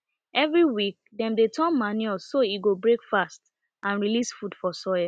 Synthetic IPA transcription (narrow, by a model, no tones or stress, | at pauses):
ɛvɹiwik̚dɛ̃mdetʰɔ̃nmanjɛlsːoiɡobɹekfast | ʔãnɹilisfudfɔsɔɪa